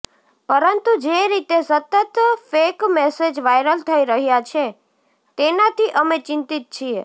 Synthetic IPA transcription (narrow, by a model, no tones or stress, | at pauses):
pəɾənt̪ud͡ʒeɾit̪esət̪ət̪fekmesed͡ʒʋajɾəlt̪ʰəiɾəɦjat͡ʃʰe | t̪enat̪ʰiʔəmet͡ʃɪ̃nt̪it̪̚t͡ʃʰie